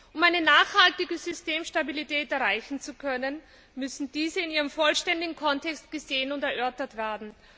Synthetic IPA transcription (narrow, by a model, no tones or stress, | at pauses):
ʔʊmæɪnənaːχhaltɪɡəzʏsteːmʃtabilitʰɛːtɛɐʁaɪçn̩t͡sukʰœnən | mʏsn̩d̥iːzəɪniːʁəmfɔlʃtɛndɪɡŋ̩kʰɔntɛkst̚ɡ̥əzeːənʊntɛɐʔœɐtɐtv̥ɛːɐdn̩